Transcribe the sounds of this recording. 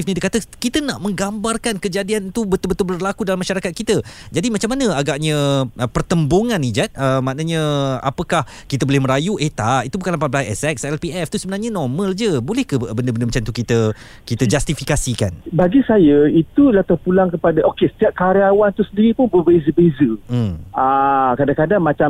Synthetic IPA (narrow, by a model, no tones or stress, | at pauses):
fnĩdəkat̪əkit̪ənaʔmə̃ŋɡambarkankəd͡ʒadiant̪ubət̪ʊlbət̪ʊlbərlakudalamːaʃaɾakat̪̚kit̪əd͡ʒadimãt͡ʃamːanə̃aɡaʔɲə̃əpərt̪əmboŋãnːid͡ʒat̪̚əmaʔnəɲə̃a̰pəkah | kit̪əbolɛhməɾajuʔeht̪aʔit̪ubukanlamp̬at̪̚plaɛsɛksɛlpiɛft̪usəbənarɲanɔrmə̃ld͡ʒəbolɛhkəbəndəbəndəmat͡ʃamt̪ukit̪ə | kit̪əd͡ʒast̪ifikasika̰nbaɡisajəit̪ulaht̪ərpulaŋkəpadaʔokesə̥t̪iap̚kaɾiawant̪usəndiɾipʊnbəbezəbezə | akadakadaŋmat͡ʃa